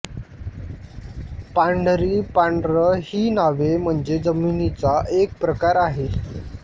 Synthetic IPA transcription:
paɳɖɾiːpaɳɖɾəhiːnaʋem̤əɳd͡zed͡zəminit͡saʔek̚pɾəkaɾaɦe

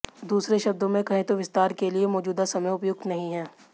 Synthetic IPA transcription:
d̪uːsɾeʃɐb̚d̪õmẽkɐɦẽt̪oʋɪst̪aːɾkeliemɔːd͡ʒuːd̪asɐməjʊpjʊk̚t̪nɐɦĩɦɛː

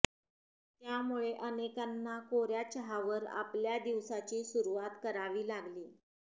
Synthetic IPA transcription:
t̪jamuɭeʔənekanːakoɾjat͡ɕəɦaʋəɾa̰pljad̪iʋsat͡ɕiːsuɾuʋat̪kəɾaʋiːlaɡliː

